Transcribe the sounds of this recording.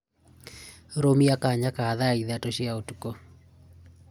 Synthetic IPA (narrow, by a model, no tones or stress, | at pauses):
ɾomiakaɲakaːðaiðatoʃiaotu̥ko